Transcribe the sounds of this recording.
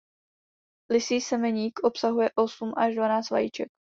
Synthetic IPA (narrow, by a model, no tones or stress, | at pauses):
lɪsiːsɛmɛɲiːkʔopsaɦujɛʔosumʔaʒdvanaːt͡st͡sva̰jit͡ʃɛk̚